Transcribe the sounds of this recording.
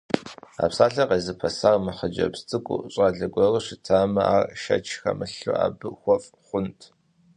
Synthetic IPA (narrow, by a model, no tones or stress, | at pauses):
a̰ːpsaːɬɐqeːzɨpʰɐsaːrmɨχəd͡ʒɐ̰pst͡sʼɨkʷʼʊ̰ɕʷʼaːɮɐɡʷɔrɨɕɪtʰaːmɐa̰ːrʃɐ̰t͡ʃʰxɐ̰mɨɬṵa̰ːbɨxʷɔfʼχʷʊntʰ